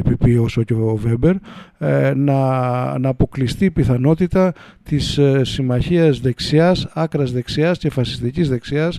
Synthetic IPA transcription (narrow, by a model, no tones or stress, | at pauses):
epipiosoceove̞beɾ | nɐnɐːpo̞klist̪ipiθɐno̞t̪it̪ɐ | t̪issːimɐçiɐzðe̞ksiɐsɐkɾɐzðe̞ksiɐsce̞fɐsi̥st̪icizðe̞ksiɐs